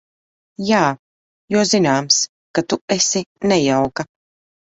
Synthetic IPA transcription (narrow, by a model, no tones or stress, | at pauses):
jaː | juzinaːms | kat̪uɛsinɛjawka